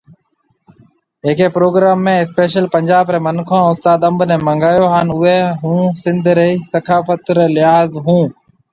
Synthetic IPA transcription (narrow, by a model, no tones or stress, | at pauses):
eːkeːpɾoːɡɾaːmːẽːɪspeːʃəlpəɲʲd͡ʒaːbɾeːmənkʰõːʊst̪aːd̪ə̃mbʱnẽːməŋɡaːjoːɦaːnʊeːɦũːsɪ̃nd̪ʱɾeiːsəkʰaːfət̪ɾeːlɪɦaːzɦũː